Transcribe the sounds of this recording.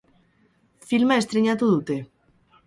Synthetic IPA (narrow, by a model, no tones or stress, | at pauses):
filmaest̪ɾeɲat̪uðut̪e